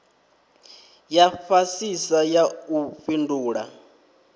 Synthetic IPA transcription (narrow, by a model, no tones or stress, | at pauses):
jafasisajauɸinduːɺa̰